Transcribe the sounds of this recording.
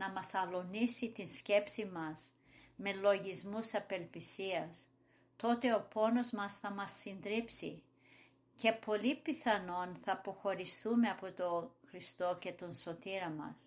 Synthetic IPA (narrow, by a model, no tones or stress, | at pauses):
nɐmɐsɐlo̞nisit̪insce̞psimɐz | me̞lo̞ʝizmusɐpe̞lpisiɐs | t̪o̞t̪e̞opo̞no̞zmɐsθɐmɐsːind̪ɾipsi | ce̞po̞lipiθɐno̞nθɐpo̞xo̞ɾist̪umeɐpo̞t̪oxɾist̪o̞ce̞t̪o̞nso̞t̪iɾɐmɐ̰s